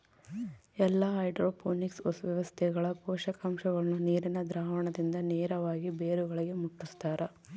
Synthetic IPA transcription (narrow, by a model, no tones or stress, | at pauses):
ɛlːɐɦɐjɖɾoːpʰoːniksosʋjɐʋɐst̪ʰɛɡɐɭɐpɔːʃɐkɐmʃɐɡɐɭnːuniːɾinɐd̪ɾaːʋɐɳɐd̪ind̪ɐneːɾɐʋaːɡibeːɾuɡɐɭiɡe̞muʈːust̪aːɾɐ